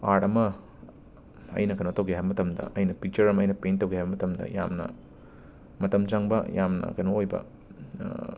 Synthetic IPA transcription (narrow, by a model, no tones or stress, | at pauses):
aɾɐmɐ | ɐ̰jnɐkɐjnotɐwɡiɦaɦjbɐmɐtʰɐmdɐ̰ʔɐjnɐpik̚t͡ʃɐɾɐmɐjnɐpentɐwɡiɦajbɐmɐtɐmdɐ̰ja̰mnɐ̰ | mɐtɐmd͡ʒaŋbɐjamnɐ̰kɐjnoojbɐ̰